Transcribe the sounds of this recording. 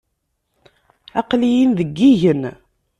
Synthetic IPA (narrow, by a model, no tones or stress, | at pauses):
ɑqlijinðəɡːiʝən